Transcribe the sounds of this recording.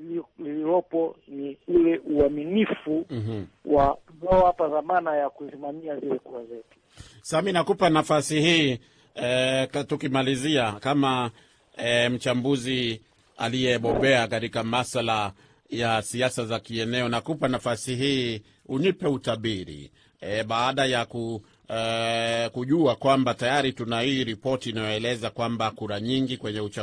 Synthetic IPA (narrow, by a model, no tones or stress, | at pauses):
lililɔpɔniulɛʔuaminifuwʔazɔapaðamanajakusimamiazilɛkuazɛtu̥saminakupanafasihiː | ɛtukimaliziakama | m̩t͡ʃambuzi | a̰lijɛɓɔɓɛakatikamasala | jasiasazakiɛnɛɔnakupanafasiɦiː | unipɛutaɓiɾḭ | ɛɓaːɗajaku | kuʄuakwambatajaɾitunahiːɾipɔtiːnajɔɛlɛzakwambakuɾaɲiŋɡikwɛɲɛut͡ʃa